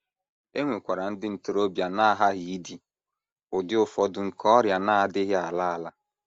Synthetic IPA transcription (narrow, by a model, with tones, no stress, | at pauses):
e˦ŋʷe˨kʷa˨ɾa˨n̩˦dɪ˦n̩˨tʊ˦ɾo˦bja˨na˦a˦ɦa˦ɦi˨i˦di˨ | ʊ˨dɪ˦ʊ˦fɔ˦dʊ˨ŋ̩˨kɔ˦ɾja˨na˦a˦˨dɪ˦ɦa˨la˦a˨la˦